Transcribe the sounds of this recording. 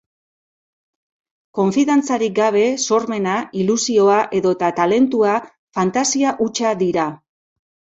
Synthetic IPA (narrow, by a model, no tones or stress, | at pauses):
ko̞ɱfiðant͡saɾik̚ɡaβ̞e̞so̞ɾme̞nailusio̞aʔe̞ðo̞t̪at̪ale̞nt̪ua | fant̪asiaʔut͡ʃaðiɾa